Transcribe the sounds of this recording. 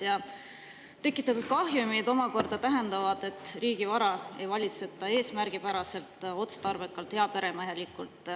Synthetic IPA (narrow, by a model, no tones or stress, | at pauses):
jɑ | t̪e̞kːˑit̪ːˑɑt̪ːud̪̥̚kɑɦjumid̪o̞mɑko̞rd̪ɑt̪æɦe̞nd̪ɑvɑd̪̥e̞t̪ːˑriːɡ̥ivɑɾɑe̞̰jvɑlʲit̪set̪ˑːɑe̞ːsmærɡ̥ipæɾɑse̞lt̪o̞t̪st̪ɑrve̞kːˑɑlt̪he̞ɑpe̞ɾe̞mɑhjɑlikult̪ˑ